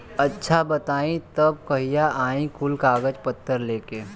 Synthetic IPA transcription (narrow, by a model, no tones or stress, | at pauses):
ɐtːʃʰabɐt̪aːĩt̪ɐb̚kɐɦijaʔaːĩkʊlkaːɡəd͡ʒpət̪ːəɾleːkeː